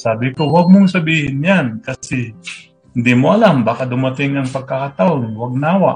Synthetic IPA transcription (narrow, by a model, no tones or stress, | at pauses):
saːbɪkowaɡ̚moŋsɐbiːhɪnjankɐsɛhɪnd̪imoʔɐlambaːkad̪ʊmɐt̪ɪŋɐŋpɐɡ̚kakat̪aʔonwaɡ̚naːwaʔ